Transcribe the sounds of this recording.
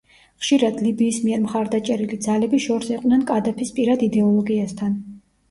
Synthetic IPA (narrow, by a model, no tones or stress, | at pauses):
χʃiɾad̪libiːsmiɛɾmχaɾd̪at͡ʃʼɛɾilid̪zalɛbiʃɔɾsiqʼnɛnkʼad̪apʰispʼiɾad̪id̪ɛɔlˠɔɡiast̪ʰan